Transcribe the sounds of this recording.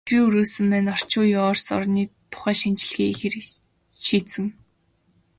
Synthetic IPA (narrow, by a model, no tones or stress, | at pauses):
triːɵɾuːsɘ̆mpæːnɔr̥t͡ɕʊːjʊɔːrsɔ̰rniːt̪ʰʊ̥χæːʃant͡ɕɪ̆ɮxiːxer | ʃiːt͡sɘ̆ŋ